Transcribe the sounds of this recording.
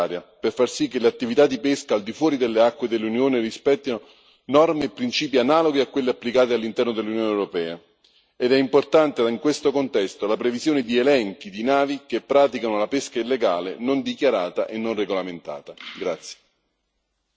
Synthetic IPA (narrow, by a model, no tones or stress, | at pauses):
ɾjaperfarsikːeleat̪ːivit̪ad̪ːipeskaːld̪ifwɔːɾid̪elːeakːwed̪elːunjoːnerispɛt̪ːino | nɔrmeːpːɾint͡ʃiːpianaːloɡiakwelːeapːlikaːt̪̬ealːint̪ɛrnod̪elːunjoːnewɾopɛːa | ed̪ɛimport̪ant̪eiŋkwest̪okont̪ɛst̪olapɾevizjoːned̪ielɛŋk̟id̪inaːvikepːɾaːt̪ikanolapeskailːeɡaːlenond̪ikjaɾaːt̪aʔenːonreɡolament̪a̰ːt̪aɡɾat̪sːje̥